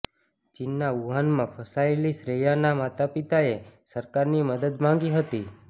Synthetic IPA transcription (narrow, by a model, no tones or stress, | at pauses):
t͡ʃinːauɦanmãpʰəsaelisɾejanamat̪apit̪aesəɾkaɾniməd̪əd̪mãŋ̆ɡiɦət̪i